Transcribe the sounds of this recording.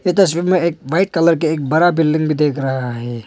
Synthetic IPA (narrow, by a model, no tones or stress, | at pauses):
jet̪̬ɐsʋiːbmẽeːk̚ʋaɪʈ̚kɐləɾk̬eeːk̚bɐɾabɪlɖɪ̃ŋɡbʱid̪eːkʰɾɐɦaɦɛː